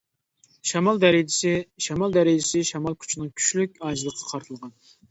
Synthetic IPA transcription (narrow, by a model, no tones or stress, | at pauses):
ʃɛmɑlˠd̪æɾɪd͡ʒɪsɪʃɛmɑlˠd̪æɾɪd͡ʒɪsɪʃɛmɑlˠkʲʰu̥t͡ʃʰinɨŋkʲʰy̥ʃlyk̚ʲɑd͡ʒlˠəqʰːɑ̥qʰɑɾt̪ʰɨlˠʁɑn